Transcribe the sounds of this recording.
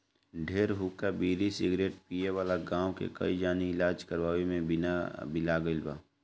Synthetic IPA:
ɖʱeːɾɦuːkabiːɾisɪɡɾeːʈ̚pijeʋaːlaɡãːwkḛkɐ̰id͡ʒaːniɪlaːd͡ʒkəɾʋaːwemẽbɪnabɪlaɡəɪlba̰ː

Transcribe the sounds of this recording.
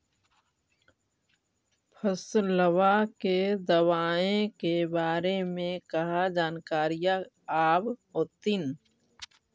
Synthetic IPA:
pʰəsləwaked̪əwaːẽkebaːɾemẽkɐɦad͡ʒaːnkaːɾija | aːbot̪ɪn

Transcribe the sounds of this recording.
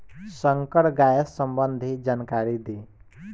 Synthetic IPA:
səŋkəɽɡajəsəmbənd̪ʱid͡ʒankaɾid̪e

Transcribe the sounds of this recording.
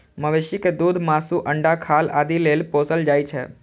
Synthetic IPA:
məʋeʃiked̪uːd̪ʱmasuʔəɳɖakʰalad̪ilelposəld͡ʒaːjt͡ʃʰḛ

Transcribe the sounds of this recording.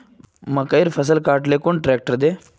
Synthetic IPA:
mɐkəiɾfʰəs̬əlkaːɾʈleːkoːɳʈɾeːk̚ʈəɾd̪eː

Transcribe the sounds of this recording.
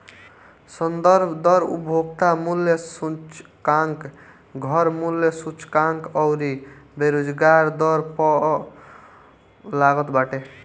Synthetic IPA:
sʌnd̪ʌɾbʱd̪ʌɾṵbʱoɡt̪amulːjʌsut͡ʃkaŋk | ɡʱʌɾmulːjʌsut͡ʃkaŋkʌwɾibeɾod͡ʒɡaɾd̪ʌɾpɔ | laɡɔt̪baʈe

